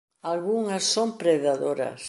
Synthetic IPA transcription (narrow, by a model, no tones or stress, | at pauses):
alɣuŋɐsːompɾeðaðoɾɐ̰s